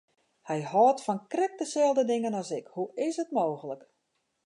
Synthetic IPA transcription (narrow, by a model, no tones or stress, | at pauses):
hɛjhɔːtfɔnkrɪk̚dəsɛlˠdədɪŋənɔsɪkhuɪsətmoːɣələk